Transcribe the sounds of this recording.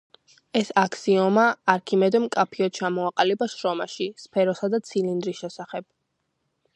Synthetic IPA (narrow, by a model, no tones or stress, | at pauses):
ɛsakʰsiɔmaːɾkʰimɛd̪ɛmkʼapʰiɔt̪̚t͡ʃʰamɔaqʼalibaʃɾɔmaʃispʰɛɾɔsad̪at̪sʰilind̪ɾisʃɛsaχɛb̥̚